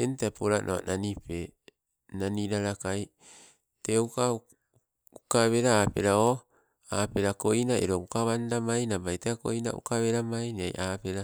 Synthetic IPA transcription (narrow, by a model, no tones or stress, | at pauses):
entapoɾanʔoa̰nʔanipe | naniɾaɾakaj | teuka | ukaβe̞ɾaːpeɾao | ape̞ɾako̞inaeɾoukaβandamajnabajteako̰ina̰ṵkaβeɾamajnia̰jʔaːpeɾa